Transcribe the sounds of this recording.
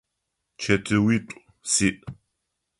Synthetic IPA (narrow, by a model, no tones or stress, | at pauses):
t͡ʃʰɐtʰɨwitʷʼ | siʔ